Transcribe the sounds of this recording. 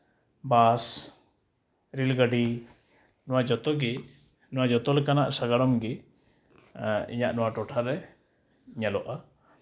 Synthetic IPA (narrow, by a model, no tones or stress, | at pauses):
bas | ɾilɡəɖi | nɔwad͡ʒɔt̪ɔɡi | nɔwad͡ʒɔt̪ɔlɛkanaʔsaɡaɽɔmɡi | ḭɲaʔnɔwaʈɔʈʰaɾɛ | ɲalɔʔa